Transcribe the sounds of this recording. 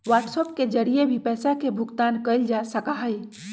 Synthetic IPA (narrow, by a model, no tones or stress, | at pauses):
ʋaʈsɔp̚ked͡ʒəɾijebʱipɛːsakebʱuɡt̪ankəɪld͡ʒasəkaɦəj